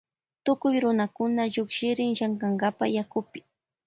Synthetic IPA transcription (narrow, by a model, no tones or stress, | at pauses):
t̪ʊkʊjɾʊnakʊnaʎʊkʃɪɾɪŋʃaŋkaŋɡapa̰jakʊpɪ̥